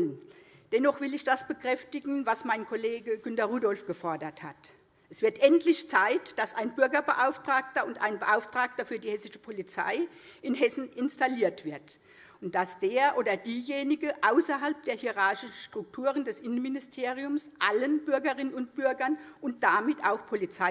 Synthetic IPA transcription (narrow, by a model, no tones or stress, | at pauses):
ənd̥ɛnɔχv̥ɪlɪçd̥asb̥əkʁ̥ɛftɪɡŋ̩vasmaɪnkʰoleːɡəɡʏntɐʁuːdɔlfɡ̥əfɔɐdɐthat | ʔɛsv̥ɪɐtʔɛntlɪçt͡saɪtd̥asaɪnbʏɐɡɐbəʔaʊftʁ̥aːk̚tɐʊntʔa̰ɪnbəʔaʊftʁ̥aːk̚tɐfyːɐdiːhɛsɪʃə̥pʰolit͡sa̰ɪʔɪnɦɛsn̩ɪnstaliːɐtv̥ɪɐt | ʊnt̚d̥asd̥eːɐʔoːdɐdiːjeːnɪɡəʔaʊsɐɦalp̚d̥eːɐhiʁaɐʃɪʃn̩ʃtʁ̥ʊk̚tʰuːʁ̞əndɛsʔɪnənmɪnɪstʰeːʁiʊmsʔalənbʏɐɡɐʁɪnənʊnt̚b̥ʏɐɡɐnʔʊnt̚d̥amɪtaʊxpʰolit͡saɪ